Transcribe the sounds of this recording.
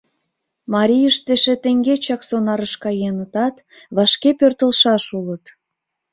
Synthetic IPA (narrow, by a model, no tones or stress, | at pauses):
mɑɾʲijəʃt̪eʃĕt̪eŋɡet͡ɕɑksonɑɾəʃkɑjenət̪ɑt̪ | βɑʃkepørt̪əlʃɑʃulət̪